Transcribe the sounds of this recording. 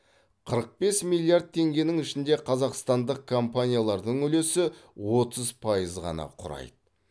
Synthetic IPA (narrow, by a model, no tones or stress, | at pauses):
qʰəɾəq̚be̞smilʲˠijard̪̚t̪ʰe̞ŋɡʲe̞nɪŋɪʃɪnd̪e̞qʰɑzɑqst̪ɑnd̪əq̚kʰo̞mpanʲijalˠɑɾd̪əɴʏle̞sɪwo̞t̪əzpʰɑjəzʁɑ̰nɑ̰qʰʊɾɑ̰jd̪ə